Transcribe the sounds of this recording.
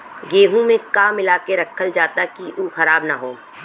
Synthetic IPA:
ɡeːɦũmẽkaːmɪlaːkeɾɐkʰːəld͡ʒaːt̪akiʔuːxɐɾaːbnaɦoː

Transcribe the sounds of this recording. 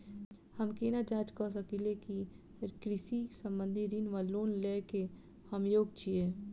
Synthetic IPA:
həmkenad͡ʒaːt͡ʃkɔs̬əkileki | ɾkɾɪsisə̃mbə̃nd̪ʱiɾinʋaloːnleke | həmjoːɡ̚t͡ʃʰieː

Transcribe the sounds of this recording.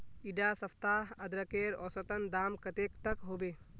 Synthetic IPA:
iɖasɐpʰt̪aɐd̪ɾəkeɾɔ̰ːsət̪ənd̪aːmkət̪ekt̪əkɦoːbeː

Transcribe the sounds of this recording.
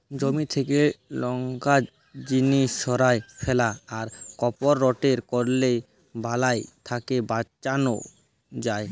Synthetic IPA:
d͡ʑomit̪ʰekelɔŋɡa | d͡ʑiniʃʃɔɾaefʰɛlaːɾkɔpoɾːɔʈeɾkɔɽlej | balajt̪ʰakebat͡ɕano̰ | d͡ʑae

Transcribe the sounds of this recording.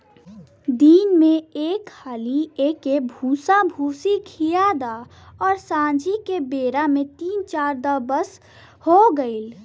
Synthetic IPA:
d̪iːnmẽeːkʰhʰaːlieːkebʱũːsabʱuːsikʰijad̪a | ɔːɾsãːd͡ʒikebeːɾamẽt̪iːnt͡ʃaːɾd̪abəs | hoɡəil

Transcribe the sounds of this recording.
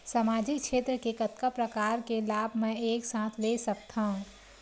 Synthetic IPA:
samaːd͡ʒɪkʃʰeːt̪ɾəkekɐt̪kapɾɐkaːɾkelaːbʱmɛ̃eːksãːt̪ʰlesɐk̚t̪ʰaɦũ

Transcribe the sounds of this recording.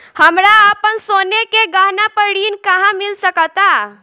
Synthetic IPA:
həmɾaəpənsonekeɡaɦnapəɽinkaɦãmilsəkət̪a

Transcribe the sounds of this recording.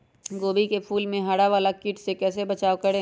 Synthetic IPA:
ɡoːbikepʰuːlmẽɦaɽaʋaːlakɪːʈsekɛːsebɐt͡ʃaːokɐɽẽ

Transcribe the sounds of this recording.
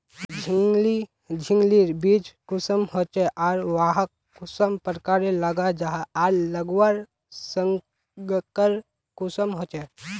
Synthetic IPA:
d͡ʒʱili | d͡ʒʱɪŋɡliɾbid͡ʒkʊsəmɦot͡ʃeʔaːɾʋaːɦəkː | ʊsəmpəɾkaːɾeləɡad͡ʒaɦaːɾləɡwaɾ | səŋ | ɡkəɾ | kʊsəmɦot͡ʃɛ

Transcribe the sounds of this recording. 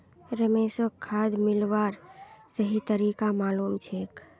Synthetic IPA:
ɾəmeːsəkʰːaːd̪mɪlʋaːɾsəɦit̪əɾiːkamaːluːmt͡ʃʰeːk

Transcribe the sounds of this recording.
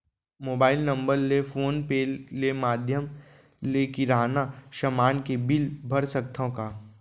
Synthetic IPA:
moːbaːɪlnɐ̃mbəɾlefʰoːnpeːlːemaːd̪ʱjəm | lekiɾaːnaʃəmaːnkebɪlbʱɐɾsək̚t̪ʰõkaː

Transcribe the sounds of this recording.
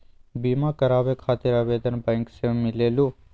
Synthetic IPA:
biːmakəɾaːʋekʰaːt̪ɪɾaːʋeːd̪ənbɛ̃ːŋksẽmɪleːlu

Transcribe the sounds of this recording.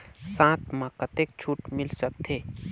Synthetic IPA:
sãːt̪ʰmãkət̪ek̚t͡ʃʰuːʈmɪlsək̚t̪ʰeː

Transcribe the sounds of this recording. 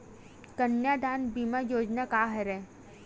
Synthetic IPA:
kənjaːd̪aːnbiːmajoːd͡ʒnakaːɦɐɾɛː

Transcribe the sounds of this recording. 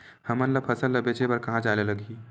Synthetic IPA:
hɐmənlɐpʰɐsəllɐbet͡ʃebɐɾkɐɦãt͡ʃaːlelɐɡi

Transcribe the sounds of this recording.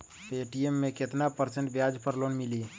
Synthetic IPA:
eʈiemːẽket̪napəɾsə̃ɳʈbjad͡ʒpəɾloːnmili

